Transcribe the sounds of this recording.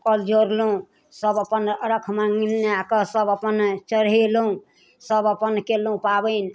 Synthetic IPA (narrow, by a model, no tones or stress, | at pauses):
kəld͡ʒoɾlũ | səbəpənɾəkʰmaŋnakəsəbəpənt͡ʃəɾɦelũ | səbəpənkelũpabən